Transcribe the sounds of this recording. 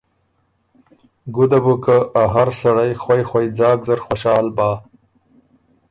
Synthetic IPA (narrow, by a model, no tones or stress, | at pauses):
ɡʊd̪abukəʔaɦaɾsaɽajxwajxwajd͡zɑːɡzaɾxwoʃɑːlbɑː